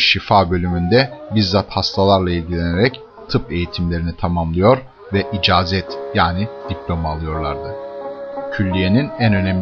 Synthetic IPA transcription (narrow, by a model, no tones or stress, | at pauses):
ʃifaːbø̞lʲymynd̪ɛbizzat̪hast̪ʰalˠaɾlˠailʲɟilʲe̞neɾɛc | t̪ʰɯpe̞jit̪ʰimlʲe̞ɾinit̪ʰamamlˠɯjo̞ɾ | vɛʔid͡ʒaːzɛt̪jaːnid̪̥iplʲo̞malˠɯjo̞ɾlˠaɾd̪ɯ | cʰylʲːije̞ninænø̞nɛm